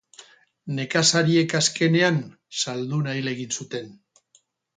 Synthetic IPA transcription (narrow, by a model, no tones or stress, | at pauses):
ne̞kasaɾie̞kaske̞ne̞an | sald̪unajle̞ɣ̞insut̪e̞n